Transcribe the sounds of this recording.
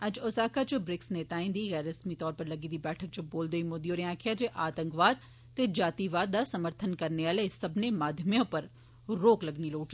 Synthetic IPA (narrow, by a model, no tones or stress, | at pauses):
əd͡ʒʊsaːkat͡ʃbɾɪksneːt̪aːĩːnd̪iːɣɛːɾəsmiːt̪ɔːɾpəɾləɡiːd̪iːbɛːʈʰək̚t͡ʃboːld̪oiːmoːd̪ijoːɾeãːkʰɪjaːd͡ʒeʔaːt̪ə̃ŋkʋaːd̪̚ | t̪eːd͡ʒaːt̪iːʋaːd̪̚ːaːsəməɾt̪ʰənkəɾneaːleːsəbneːmaːd̪ʱjəmijõːpəɾ | ɾoːkləɡniːloːʈ